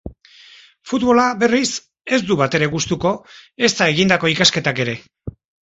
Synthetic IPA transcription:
fut̪βo̞laβe̞ris | e̞zd̪uβat̪e̞ɾe̞ɣust̪uko̞e̞st̪ae̞ɣind̪ako̞ikaske̞t̪ake̞ɾe̞

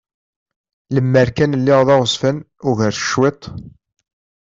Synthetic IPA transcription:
ləmːəɾkænəlːiʁðˤɑʁəsfən | ʊʝəɾθə̥ʃwet̪ˤ

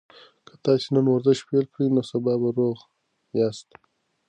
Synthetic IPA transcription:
kʰḁt̪ɑsenənwaɾzaʃpelkɽinosabɑbaɾoʁ | jɑːst̪

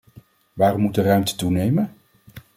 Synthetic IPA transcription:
ʋaːrɔmːutdərœɥmtə̥tunejmən

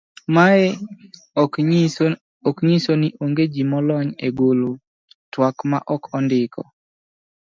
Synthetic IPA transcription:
maɛ | ɔkɲisoniʔoŋɡed͡ʒimɔlɔɲeɡolo | twakma̰ʔɔkɔndɪkʰɔ̰

